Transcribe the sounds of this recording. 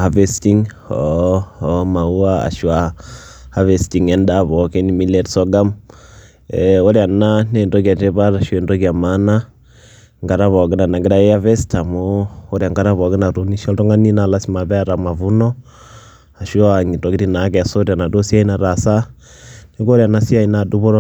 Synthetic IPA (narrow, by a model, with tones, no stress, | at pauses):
ha˨vɛ˦sti˦ŋɔ | ma˨u˦a˦a̰˨ʃi˦wa | ha˨βɛ˨sti˨ŋɛ˦nda˦βɔ˨kɛ˦ni˨mi˦lɛ˨tsɔ˦ɡa˦m | ɛo˦ɾi˦a˨na˦nɛ˨ndɔ˦ɡi˨a˨tɛ˦βa˦ɾa˨ʃi˦ɛ˨ndɔ˦ɡa˨ma˦na˦ | ŋɡa˨ɾa˦βɔ˨kɛ˦na˨na˨ɡɛ˦ɾa˦ɛ˦a˦vɛ˦sta˨moɔ˦ɾia˨ŋɡa˦ɾa˦βɔ˨kɛ˦na˨ɾu˦ni˦ʃɔ˦tɔ˦ŋɡa˦ni˦nala˦sima˨βɛ˦aɾa˨ma˨vu˦nɔ˦ | a˨ʃi˦aŋi˨tɔkiɾi˦na˨˦kɛ˨sɔ˦ɾa˨na˨do˦si˦a˦i˦na˨ɾa˨sa˦ | ni˦kɔ˦ɾi˦a˨na˦si˦a˦i˦na˨du˦βɔ˦ɾ